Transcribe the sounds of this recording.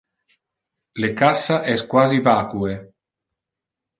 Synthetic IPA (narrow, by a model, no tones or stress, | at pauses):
lekasaʔɛskwaːzivaːkue